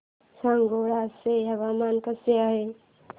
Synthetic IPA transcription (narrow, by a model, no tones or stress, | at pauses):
saŋɡoɾaseaβamankəseaɦe